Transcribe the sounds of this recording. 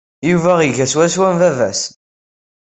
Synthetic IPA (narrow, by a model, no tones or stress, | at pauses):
juvæʁiʝæswæswæmvævæs